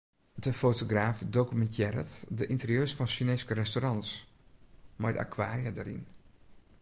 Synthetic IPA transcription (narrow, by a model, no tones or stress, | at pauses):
dəfoːtoɡraːfdokymɛntjɛɾə̰tdəʔintərjøːsfɔnʃineskərɛstorɑnts | mɔjda̰kʰwaːrijədəɾḭn